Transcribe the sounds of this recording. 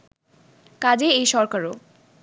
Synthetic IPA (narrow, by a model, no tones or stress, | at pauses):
kad͡ʑeejʃɔɾkaɾo